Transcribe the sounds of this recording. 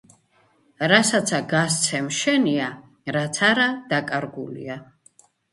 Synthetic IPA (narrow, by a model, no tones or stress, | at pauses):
ɾasat̪sʰaɡas̬t̪sʰɛmʃɛnia | ɾat̪sʰaɾad̪̥akʼaɾɡulḭa